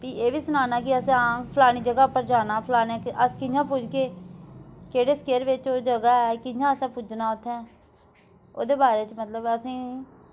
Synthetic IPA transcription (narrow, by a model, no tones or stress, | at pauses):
piːeːʋiːsʊnaːnaːkɪəsãːpʰlaːñiːd͡ʒəɡaːpəɾd͡ʒaːnaːpʰlaːnɛːkəskɪd͡ʒãːpud͡ʒɡeː | keːɽeːskeːɾʋɪt͡ʃoːd͡ʒəɡaːɛkɪd͡ʒãːəsãːpʊd͡ʒnaːʊt̪ʰːɛ̃ː | o̰ːd̪eːbaːɾeːt͡ʃmət̪ləbəsĩː